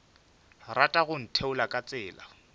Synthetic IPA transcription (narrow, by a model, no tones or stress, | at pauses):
ratʼaɣʊn̩tʰeʊlakʼat͡sʼɪːla̰